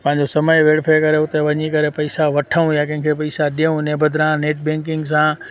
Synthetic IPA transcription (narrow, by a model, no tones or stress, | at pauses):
pɐ̃ɦɪ̃ɲ̆d͡ʑosɐməjʋeːɽfʰeːkɐɾeʊt̪eʋɐɲikɐɾepɐisaʋɐʈʰəũjakɐ̃ɦɪ̃kʰepɐisaɗiũneːbəd̪ɾãːneːʈ̚bɛ̃ːŋkɪ̃ŋɡs̬ãː